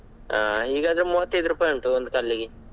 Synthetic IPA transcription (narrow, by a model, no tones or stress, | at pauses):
a̰ːɦiːɡaːd̪ɐɾemuːʋɐt̪ːɐjd̪uɾuːpaːjoɳʈuond̪ukɐlːiɡe